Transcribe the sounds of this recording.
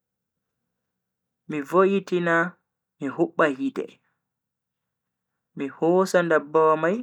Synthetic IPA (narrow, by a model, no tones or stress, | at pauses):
mivoʔitina | miɦuɓːahidɛ̰ | mihɔːsandabːawamaj